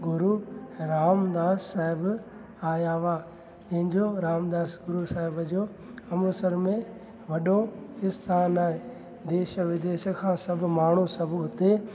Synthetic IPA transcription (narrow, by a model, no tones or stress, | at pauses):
ɡʊɾuɾaːmd̪aːsːaːɦɪb | aːjaːʋaː | d͡ʑɐ̃ɦɪ̃ɲd͡ʑoɾaːmd̪aːsɡʊɾusaːɦɪbəd͡ʑoː | ɐmʊsəɾmẽ | ʋɐɗoɪst̪ʰaːnaːe | d̪eːʃəʋɪd̪eːʃə̆kʰãːsɐbʱʊ̆maːɳ̤usɐbʱɦʊt̪e